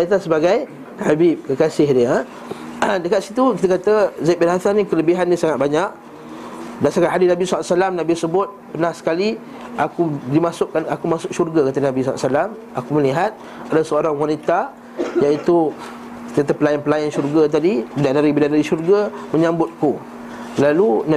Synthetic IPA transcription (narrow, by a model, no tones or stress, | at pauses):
ait̪asəbaɡaj | habip̚kəkasɪhdə | dəkat̪̚sit̪ukit̪̬əkat̪əzajt̪̚bɪnɦasanĩkələbiɦanːĩsaŋat̪̚baɲaʔ | dasakanɦadinabisasalamnabisəbʊt̪̚pənahsə̥kali | akudimasʊʔkanakumasʊk̚ʃurɡakat̪ənabisaaʔsalam | akuməliɦat̪̚ | adasəoɾaŋwanit̪a | jait̪u | i̥t̪əat̪əpəlaɪnpəlaɪnʃurɡat̪̬adibidaʔnaɾibidadaɾiʃurɡamə̃ɲãmbʊt̪̚ku | laluna